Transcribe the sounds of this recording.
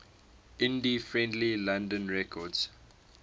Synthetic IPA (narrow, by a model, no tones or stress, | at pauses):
ɪ̃ndifɹɛ̃ndlilãndə̃nɹɛkʰɔdz̥